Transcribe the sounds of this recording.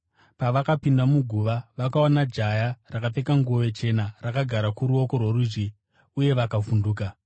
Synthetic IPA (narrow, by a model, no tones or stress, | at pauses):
paʋakapindamuɡʱuʋaʋakaonad͡ʒajarakape̞kaŋɡuoʋe̞t͡ʃe̞narakaɡʱaɾakuɾuo̞ko̞rworuʐi | uje̞ʋakafunduːka